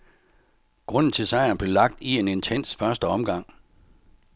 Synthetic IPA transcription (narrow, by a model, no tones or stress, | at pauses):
ɡ̥ʁɔ̽n̰n̩t͡sʰe̝lsɑ̈ɪ̰ɐnb̥le̝lɑ̈ɡ̥̚d̥ie̝ne̝nt͡sʰen̰sfɶɐsd̥əɒ̽mɡ̥ɑ̈ŋ̰